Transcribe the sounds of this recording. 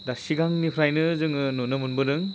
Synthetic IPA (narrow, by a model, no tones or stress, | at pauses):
dasiɡaŋnipʰɾajnɯzɯŋɯnunɯmunbɯnɯŋ